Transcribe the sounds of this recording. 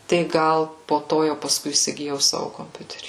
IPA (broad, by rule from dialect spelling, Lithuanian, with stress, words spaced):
tɐɪ ˈɡɐlˠ poː ˈtoː jɛʊ pɐˈskʊɪ iːsʲɪɡʲɪˈjɛʊ ˈsɑːʋʊ koːmʲˈpʲʊtʲɛrʲiː